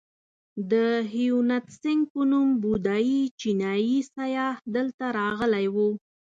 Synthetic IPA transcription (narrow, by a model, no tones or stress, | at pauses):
d̪əɦijunat̪sɪŋɡ̚pənumbud̪ɑjit͡ʃinɑjisajɑhd̪əlt̪aɾɑɣəlajwu